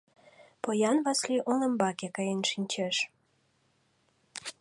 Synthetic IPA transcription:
pojɑnβɑsliʔonə̆mbɑkekɑjenʃinʲt͡ɕeʃ

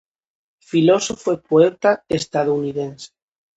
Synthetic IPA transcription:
filosofoepoet̪aest̪að̞ouniðense̥

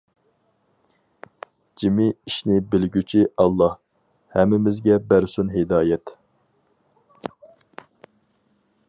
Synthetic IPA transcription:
d͡ʒimɪiʃnɪbɪlɡʲyt͡ʃʰiʔɑlˠːɑh | hɛmːɪmɪzɡʲɛbæɾsunɦed̪ɑːjɛt̪

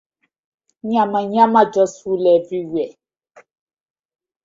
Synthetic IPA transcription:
ɲãmãɲãmãd͡ʒɔsulɛviɥɛ

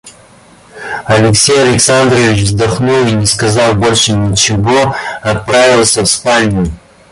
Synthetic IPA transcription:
ɐlʲɪksʲejɐlʲɪksand̪ɾʲɪvʲɪt͡ʃvzd̪aχnulˠinʲɪskɐzalˠbolʲʂɨnʲɪt͡ʃɪvoɐt̪̚pɾavʲɪlˠsʲəfspanʲiji

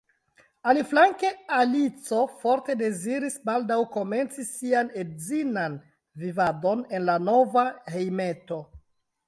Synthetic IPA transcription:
aliflaŋke̞alit͡so̞fo̞ɾte̞de̞ziɾisbaldawko̞me̞nt͡sisiane̞dzinan | vivado̞ne̞nlano̞vahe̞jme̞to̞

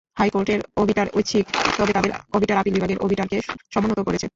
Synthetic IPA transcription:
hajkoɾʈeɾobʱiʈaɾott͡ɕʰikt̪ɔbet̪ad̪eɾobʱiʈaɾapilbibʱaɡeɾʔo̰bʱiʈaɾkeʃɔmonːot̪okoɾet͡ɕʰe

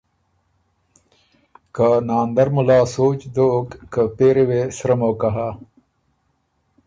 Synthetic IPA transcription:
kanaːnd̪ɐɾmulaːsoːt͡ɕd̪oːkːəpeːɾewesɾɐmoːkaɦa

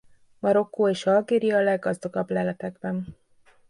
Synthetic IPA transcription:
mɒɾo̞kːoːeːʃɒlɡeːɾijɒːlɛɡːɒzd̪ɒɡɒblɛlɛt̪ɛɡbɛn

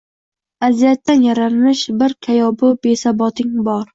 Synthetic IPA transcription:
azijat̪ʰːanjaɾamɪʃbɪɾkʲʰajɒbʊbesabɒt̪ʰɪŋbɒɾ

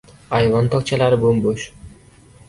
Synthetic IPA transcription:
ajvɒnt̪ʰɒkt͡ʃʰalaɾɪbomboʃ

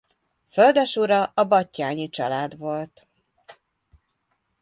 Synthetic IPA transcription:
føld̪ɛʃuɾɒʔɒbɒcːaːɲit͡ʃɒlaːd̪vo̞lt̪

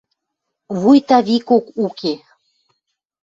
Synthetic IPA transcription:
βujt̪ɑβikokukʰe

